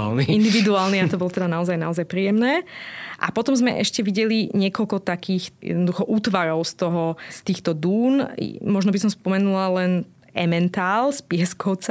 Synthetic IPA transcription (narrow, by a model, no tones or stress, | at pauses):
niind̪iʋid̪uaːlniat̪ɔbɔlɔt̪ɛd̪anaɔzajnaɔzajpɾiːjɛmnɛːʔa̰pɔt̪ɔmzmɛ̰ʔɛʃcɛʋiɟɛliɲɪɛkɔlkɔt̪akiːxjɛ̰d̪nɔd̪uxɔʔuːt̪ʋaɾɔʊst̪ɔɦɔst̪iːxt̪ɔd̪uːnmɔʒnɔbisɔmspɔmɛnulalɛn | ɛmɛnt̪aːlspɪɛskɔʊt͡sa